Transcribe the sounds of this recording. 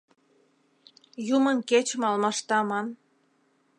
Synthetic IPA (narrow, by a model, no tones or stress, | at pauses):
jumənket͡ɕə̆mɑlmɑʃt̪ɑmɑn